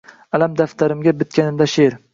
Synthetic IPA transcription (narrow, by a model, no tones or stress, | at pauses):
alamd̪aft̪ʰaɾɪmɡʲabɪt̪̚kʲʰanɪmd̪aʃeɾ